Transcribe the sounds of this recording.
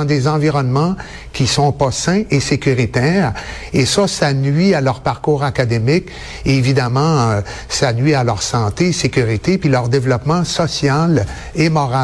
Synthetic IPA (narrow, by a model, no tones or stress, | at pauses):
d̪ezɑ̃viʁɔnmɑ̃ | kʲisɔ̃pɔsɛ̃ʔesekʲyʁit̪ɛːʁ | esɔsanɥialœʁpaʁkuːʁakad̪emɪkː | vid̪amɑ̃ø | sanɥialœʁsɑ̃t̪esekʲyʁit̪epilœʁd̪evlɔpmɑ̃sɔsjal | emɔʁa